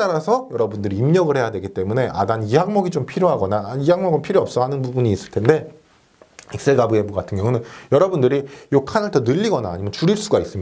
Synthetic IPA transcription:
t͈aɾasʰʌjʌɾʌbundɯɾiːmɲʌɡɯɭhejadwe̞ɡit͈e̞mune̞ʔa̰daniɦaŋmʌɡit͡ɕompʰiɾjoɦaɡʌnaiɦaŋmʌɡɯnpʰiɾjoʌp̚s͈ʌhanɯnbubuɲiːs͈ɯɭtʰe̞nde̞ | iks͈eɡabɯebuɡatʰɯnɡjʌŋunɯnjʌɾʌbundɯɾijokʰanɯɭtʌnɯʎːiɡʌna̰ːɲimjʌnt͡ɕuɾiɭs͈uɡais͈ɯm

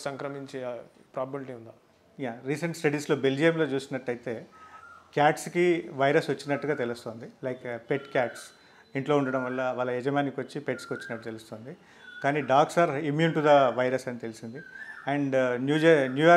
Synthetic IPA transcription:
sɐŋkɾɐmiɲt͡ʃe | pɾaːbɐbilʈiund̪aː | jaːɾiːsɐɳʈsʈɐɽiːslo̞ːbe̞ld͡ʒijɐmlo̞ːt͡ʃuːsinːɐʈːɐjt̪e̞ːkaːʈskiʋɐjɾɐsʋɐt͡ʃːinɐʈːuɡaːt̪e̞lust̪o̞ːnd̪ilɐjkpeʈkjaːʈs | iɳʈloːuɳɖɐɽɐmʋɐlːɐʋaːlːɐɛd͡ʒɐmaːnikʋɐt͡ʃːipeʈskiʋɐt͡ʃːinɐʈːut̪elust̪o̞ːnd̪i | kaːniːɖaːksaːɾimjuːnʈud̪ɐʋɐjɾɐsɐnit̪e̞lisind̪iɐɳɖnjuːɐnjuːa

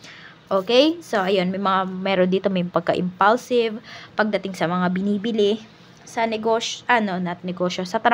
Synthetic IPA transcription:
ʔoːkɛjso̞ʔɐjo̞nmɐjmɐŋamɛːɾond̪iːt̪omɐjpɐɡ̚kɐʔɪ̰mpɐlsɪvpɐɡ̚d̪ɐt̪ɪŋsɐmɐŋabɪniːbɪlɪ | sɐnɛɡoːʃʔɐno̞nɐt̪̚nɛɡo̞ːʃjo̞sɐt̪ɐɾ

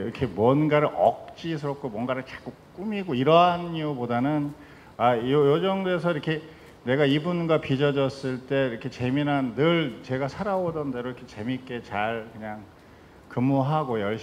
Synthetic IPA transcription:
ɾʌkʰe̞mwʌnɡaɾɯɾʔʌ̰k̚t͡ɕ͈is̬ʰɯɾʌk̚k͈ʰomwʌnɡaɾɯɭt͡ɕḁk͈uk͈umiɡoiɾʌɦaniubodanɯn | aojod͡ʑʌŋdoe̞sʰʌiɾʌkʰe̞ | ne̞ɡaibunɡwapid͡ʑʌd͡ʑʌs͈ɯɭt͈e̞ɾʌkʰe̞t͡ɕe̞minɦanːɯɭt͡ɕe̞ɡasʰaɾawodʌnde̞ɾoiɾʌkʰet͡ɕe̞mik͈e̞t͡ɕaɭkɯɲaŋ | kɯmoɦaɡojʌɭɕ

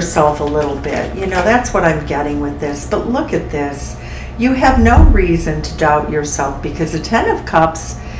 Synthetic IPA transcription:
sɛlˠfəlɪɾl̩ˠbɪ̰t̚jɨnoʊðætswʌɾãɪ̃mɡɛɾɪ̃ŋwɨðɪsb̥ʌtˡlʊkɨt̪̚ðɪs | jɨːvnoʊɹizɨ̃ntʰɨdaʊt͡ʃə˞sɛlˠfb̥ɨkʰʌzɨtʰɛ̃nʌv̥kʰʌps

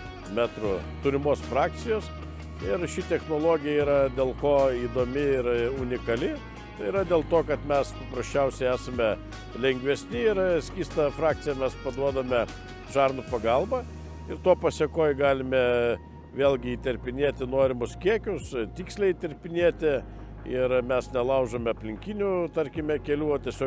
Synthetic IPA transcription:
mʲæːt̪ɾʊt̪ʊɾʲɪmoːsfɾɑːk̚t̪sʲɪjoːs | ɪɾʃʲɪt̪ʲɛxnoːlˠoːɡʲɪjɛiːɾɐd̪ʲeːlˠkoːiːd̪oːmʲɪɪɾʊnʲɪkɐlʲɪ | t̪ɐɪiɾɐd̪ʲeːlˠt̪oːkɐt̪mʲɛspɐpɾɐsʲt͡ʃʲɛʊsʲɛɪæːsɐmʲɛ | lʲɛŋʲɡʲʋʲɛsʲnʲɪɪɾsʲkʲiːst̪ɐfɾɑːk̚t̪ʲɪjɛmʲɛspɐd̪uɔd̪ɐmʲɛ | ʃɑːrnʊpɐɡɐlˠbɐ | ɪɾt̪oːpɐsʲeɛkoːjɡɑːlʲɪmʲɛ | ʋʲeːlʲˠɡʲɪiːt̪ʲɛɾʲpʲɪnʲiɛt̪ʲɪnoːɾʲɪmʊskʲiɛkʲʊst̪ʲiːksʲlʲɛɪiːt̪ʲɛɾʲpʲɪnʲiɛt̪ʲɪ | ɪɾmʲɛsnʲɛlˠɐʊʒomʲɛɐpʲlʲɪŋʲkʲinʲʊt̪ɐɾʲkʲɪmʲɛkʲɛlʲuːot̪ʲiɛsʲoː

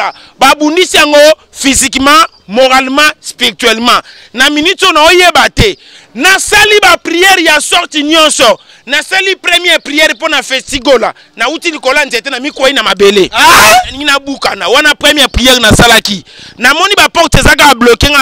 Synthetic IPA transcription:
a | babundisijaŋɡo | fizikmã | moʁalmãspiʁitɥɛlmã | naminutonaojebatɛ | nasalibapʁijɛʁjasɔʁtinjɔ̃nsɔ | nasalipʁɛmɛpʁijɛʁponafɛstiɡola | nautilikoloanzetenamikwainamabeleiŋinabukanawanapʁɛmɛpʁiɛʁnasalakinamɔnibapɔktezak̬aablokeŋa

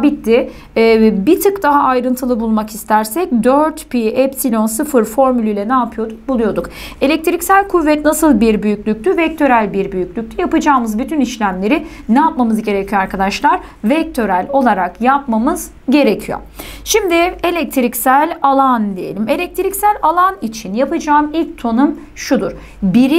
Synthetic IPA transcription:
bit̪ːɪː | bit̪ʰɯkd̪aɦaːjɾɯnt̪ʰɯlˠɯbulˠmakist̪ʰæɾsɛc̚d̪øɾt̪piɛpsilʲo̞nsɯfɯɾfo̞ɾmylʲyjlʲɛnaːpʰɯjo̞d̪uk̚bulˠujo̞d̪uk | e̞lʲɛc̚t̪ʰiɾicsælʲkʰuvːɛt̪nasɯlˠbiɾbyjycʲlʲyc̚ʲt̪yvɛc̚t̪ʰø̞ɾælʲbiɾbyjycʲlʲyc̚ʲt̪ʰyjapɯd͡ʒaːmɯzbyt̪ʰyniʃlʲæmlʲe̞ɾɪnɛjapmamɯzɟe̞ɾecʰyjoaɾkʰad̪aʃlˠaɾ | vɛc̚t̪ʰø̞ɾælʲo̞lˠaɾakjapmamɯz̥ | ɟe̞ɾecʰijo̰ | ʃimd̪ɪe̞lʲɛc̚t̪ʰiɾicsælʲalˠand̪ijelʲime̞lʲɛc̚t̪ʰɾicsælʲalˠanit͡ʃʰinjapɯd͡ʒaːmilʲc̚t̪ʰo̞num | ʃud̪uɾ̥ | biɾi

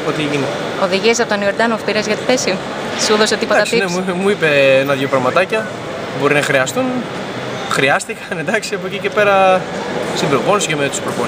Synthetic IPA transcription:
pot̪ieʝine | o̞ðiʝies̬ɐpot̪onioɾd̪ɐnofpiɾɐzʝɐt̪i̥θesim | suðoset̪ipoɐt̪ɐsinemuipeenɐðʝopɾɐmɐt̪ɐcɐ | bo̞ɾinɐxɾiɐst̪un | xɾiɐst̪ikɐnend̪ɐksiɐpocice̞pe̞ɾɐ | sibɾovo̞nscemet̪u̥spɾopo

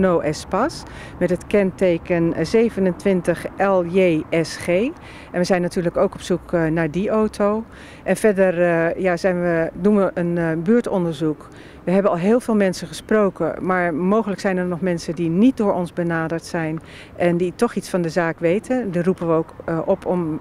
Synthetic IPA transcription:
nowʔɛspɑs | mɛtɦətkɛntejkənzejvənəntʋɪntəχʔɛlˠjejɛsχej | ʔɛnʋəzɛjnatyːɹləkowkɔpsuknaːɹdiʔowtʰow | ʔɛnvɛɹdərjaːzɛjnʋədunʋəʔənbyːɹtɔndəɹzuk | ʋəɦɛbənɑlˠɦɪːlˠvɪːlˠmɛnsəχəsprowkə̰maːɹmowχələksɛjnɛɹnɔχmɛnsəndinit̚dʊːɹɔnzbənaːdəɹtsɛjn | ʔɛnditɔχitsfɑndəzaːkʋejtʰəndirupənʋəowkʔɔpʰɔm

